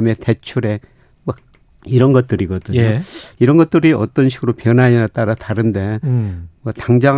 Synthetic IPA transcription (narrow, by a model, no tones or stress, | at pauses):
me̞te̞t͡ɕʰuɾe̞ | mʌ | iɾʌnɡʌt̚t͈ɯɾiɡʌdɯɲoiɾʌnɡʌt̚t͈ɯɾiʔʌt͈ʌnɕʰiɡɯɾopjʌnaɲinat͈aɾataɾɯnde̞ | mʌtaŋd͡ʑa